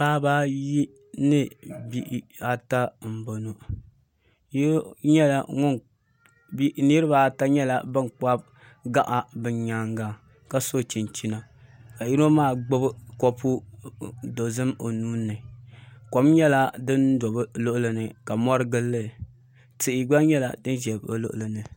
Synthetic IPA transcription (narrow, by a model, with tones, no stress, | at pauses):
baː˦ba˦ji˦ | nɨ˦bi˦ʔa˦ta˦m̩˨bo˨no˨ | jɲɛ˦la˨ŋʊ˦n | bi˦ni˦ɾɨ˦ba˦ta˦ɲɛ˦la˨bɨ˦nk͡pa˦b | ɡa˦ʔa˨bɨ˨ɲɲaː˨˦ŋɡa˨ | ka˦so˦˨t͡ʃi˨nt͡ʃi˦na˨ | ka˨ji˦ɾo˦maː˦˨ɡ͡bo˦bɨ˦kɔ˦pu˦ | do˨zɨ˦mo˨nuː˦nːɨ˨kɔ˨mɲɛ˦la˦dɨ˦ndo˨bɨ˦lo˦ʔʊ˦lɨ˨nɨ˨ka˨mɔ˦ɾɨ˦ɡɨ˦lːɨ˦˨ | tɨ˨ʔɪ˨ɡ͡ba˦ɲɛ˦la̰˨dɨ˦n˦ʒɛ˨blo̰˦ʔʊ˨lɨ˨nɨ˨